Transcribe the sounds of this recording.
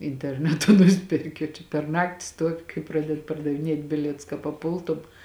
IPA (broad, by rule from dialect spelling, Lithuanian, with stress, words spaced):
ɪnʲtʲɛrʲˈnʲæːtʊ ˈnʊsʲpʲɛrʲkʲɪ oː t͡ʃʲɛ pʲɛr ˈnɑːktʲɪ ˈstuɔʋʲɪ kɐɪ ˈprɑːdʲɛt pɐrdɐʋʲɪˈnʲiɛtʲ ˈbʲɪlʲiɛtʊs kɐ pɐˈpʊlˠtʊm